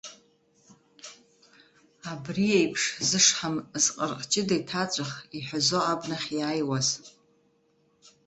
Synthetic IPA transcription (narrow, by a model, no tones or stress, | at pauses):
abriejpʰʂzɨʂħamzqʼərqʼt͡ʃʼɪdajtʰat͡sʷʼaχiħʷᶣazo̞abnaχʲjaːjwaz